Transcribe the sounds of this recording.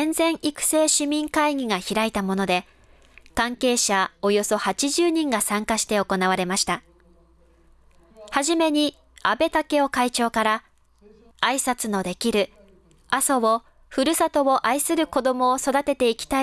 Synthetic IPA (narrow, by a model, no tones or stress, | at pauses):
ẽnzẽ̞ɰ̃ʔikɯ̟̥se̞ːɕɨmʲĩŋkaiɡʲiɡaçiɾait̪amo̞no̞d̪e̞ | kãŋke̞ːɕao̞jo̞so̞hat͡ɕiʑɨːɲ̟ĩŋɡasãŋkaɕi̥t̪e̞o̞ko̞naβaɾe̞maɕi̥t̪a | haʑime̞ɲ̟i | abe̞t̪ake̞o̞kait͡ɕo̞ːkaɾa | aisat͡sɨno̞d̪e̞kʲiɾɯ̟ | asoβo̞ | ɸɯ̟ɾɯ̟sat̪o̞βo̞ʔaisɨɾɯ̟ko̞d̪o̞mo̞ːso̞d̪at̪e̞t̪e̞ikʲi̥t̪a